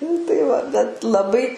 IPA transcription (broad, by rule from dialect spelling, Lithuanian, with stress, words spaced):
nʊ tɐɪ ˈʋɐ bʲɛt lˠɐˈbɐɪ